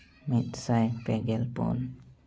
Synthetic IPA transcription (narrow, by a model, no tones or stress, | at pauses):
mit̪̚sajpɛɡɛlpṵn